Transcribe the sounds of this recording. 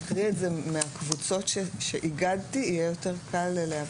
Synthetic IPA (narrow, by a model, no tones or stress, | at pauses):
χʁietzemeakvut͡so̞tʃeʃeʔiɡadtiijejo̞te̞ʁkʰallea